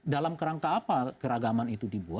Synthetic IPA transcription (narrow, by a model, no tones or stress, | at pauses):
dalamkəɾaŋkaːpakəɾaɡamanit̪udibua